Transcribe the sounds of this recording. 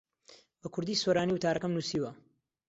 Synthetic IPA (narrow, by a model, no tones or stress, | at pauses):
bɐkʰʊɾd̪iːsoɾaːniːwʊt̪ʰaːɾɐkɐmnusiːwɐ